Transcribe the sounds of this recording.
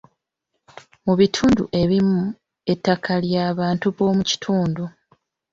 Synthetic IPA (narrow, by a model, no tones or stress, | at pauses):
muβitʰuːndṵʔe̞βimu | e̞tːakʰaljaːβaːntuβo̞ːmuci̥tʰuːndu